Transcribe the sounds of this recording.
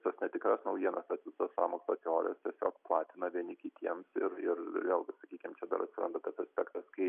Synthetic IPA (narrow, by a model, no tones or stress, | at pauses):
sosnʲɛt̪ʲɪkɾɐsnɐʊjiɛnɐst̪ɐt̪sʲɪsossɑ̰ːmoːksokʲoːlʲɛ̰st̪ʲiɛsʲo̰ːkplˠɑːt̪ʲɪnɐʋʲiɛnʲɪkʲɪt̪ʲiɛmsɪɾɪrjʲɛlˠɡʲsɐkʲiːkʲɪmt͡ʃʲɛd̪ɐ̰ɾʔɐt̪ʲsʲɪɾɐ̰nd̪ɐt̪ɐsɐsʲpʲɛkt̪ɐskɐɪ